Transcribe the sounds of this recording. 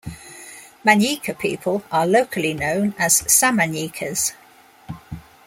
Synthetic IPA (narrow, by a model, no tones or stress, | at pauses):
mãnjiˑkʰəpʰiˑpʰələləʊkʰəlinə̃ʊ̃nəz̥samãnjiˑkʰəz̥